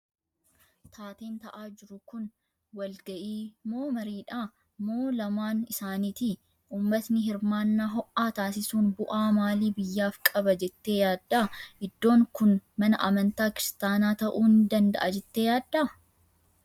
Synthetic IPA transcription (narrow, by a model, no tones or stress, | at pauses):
t̪ʰaːt̪eːnt̪ɐʔaːd͡ʒɪɾʊkʊn | wɐlɡɐʔiːmo̞ːmɐɾiːᶑaː | mːo̞ːlɐmaːnɪsaːniːt̪i | ʔuːmːɐt̪nɪɦɪɾmaːnːaːɦɔʔaːt̪aːs̬ɪsuːnbʊʔaːmaːliːbɪjːaːfkʼɐbɐd͡ʒɛt̪ːe̞ːjaːd̪ːaːʔɪd̪ːo̞ːŋkʊnmɐnɐʔɐmɐnt̪aːkɪɾɪst̪aːnaːt̪ɐʔuːnɪd̪ɐnd̪ɐ̰ʔɐd͡ʒɛt̪ːe̞ːjaːd̪ːaː